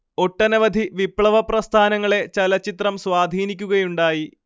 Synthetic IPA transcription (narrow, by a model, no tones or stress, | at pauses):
o̞ʈːɐnɐʋɐd̪ʱiʋipɭɐʋɐprɐst̪ʰaːnɐŋːɐɭe̞t͡ɕɐlɐt͡ɕːit̪rɐmswaːd̪ʱiːnikʲːuɣɐjuɳɖaːji